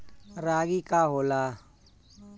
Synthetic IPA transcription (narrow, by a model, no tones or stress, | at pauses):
ɾaːɡiːkaːɦoːlaː